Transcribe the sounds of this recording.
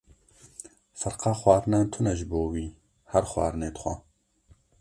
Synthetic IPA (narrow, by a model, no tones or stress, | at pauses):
fɨɾqɑːxwʷɑːɾɨnɑːnt̪ʰʊnɛʒɨboːwiː | hɛɾxwɑ̰ːɾɨneːd̪xʷɐ̰